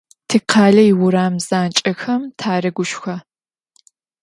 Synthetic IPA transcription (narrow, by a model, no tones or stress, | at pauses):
tʰɨqʰaːɮɐiwʊɾaːmz̥aːnt͡ʃʼɐxɐmtʰaːɾɐɡʷʊʃxɐ